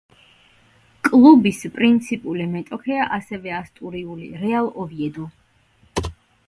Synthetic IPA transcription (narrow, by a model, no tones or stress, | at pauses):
kʼlˠubispʼɾint̪sʰipʼulimɛt̪ʼɔkʰɛaʔasɛvɛast̪ʼuɾiulḭɾɛalˠɔviɛd̪ɔ